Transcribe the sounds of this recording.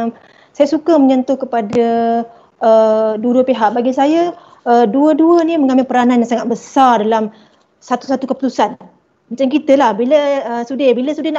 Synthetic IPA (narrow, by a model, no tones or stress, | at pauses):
sajasukaməɲant̪ʊhkəpadaː | duɾupeɦaʔbaɡisaja | əduəduəniməŋamɪlpəɾananjaŋsaŋat̪̚bəsardalam | sat̪u̥sat̪ukəpu̥t̪usan | mat͡ʃamkit̪əlahbiləəsudɪhbiləsudɪhna